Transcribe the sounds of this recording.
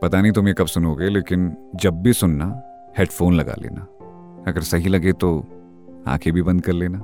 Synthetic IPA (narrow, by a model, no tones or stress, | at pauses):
pɐt̪anɐɦĩt̪ʊmekɐbsʊnoːɡeleːkɪnd͡ʒɐb̚ːʱisʊnna | heːɖfoːnlɐɡa̰lḛːna | ɐɡəɾsɐɦilɐɡet̪o | ã̰ːkʰebʱibɐ̃nd̪̚kɐɾleːnaː